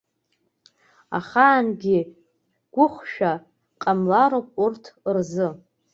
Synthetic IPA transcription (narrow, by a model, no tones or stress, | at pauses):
a̰χaːnɡʲi | ɡ̥ʷʊχʷʃᶣa | qʼamlaɾowpʼurtʰrzɨ